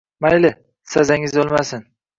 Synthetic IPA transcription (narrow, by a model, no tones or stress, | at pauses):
majlɪ | sazaŋɪzolˠmasɪn